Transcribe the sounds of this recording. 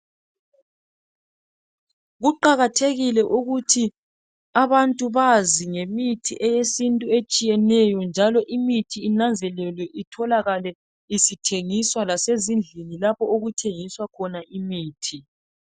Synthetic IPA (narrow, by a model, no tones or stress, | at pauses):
ɣuǃaɣatʰeɣilɛʔuɣutʰi | aβantʼuβaziŋemitʰḭʔɛjesintʼuet͡ʃʼijɛnɛjɔnd͡ʒʱalɔʔimitʰiːnand͡zʱɛlɛlwɛʔitʰɔlaɣalɛ | isitʰeŋiswalasezind͡ɮʱinilapʰɔoɣutʰeŋiswakʰɔnaʔimiːtʰi